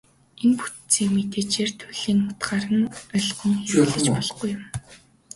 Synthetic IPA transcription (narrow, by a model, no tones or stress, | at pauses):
enput̪t͡siːkmet̪eːt͡ɕeːrt̪ʰʊɮiːŋʊt̪ɢaːɾə̆nœɮʁɞ̆ŋxeɮɘ̆t͡ɕpɔɮɞ̆χɡujːʊm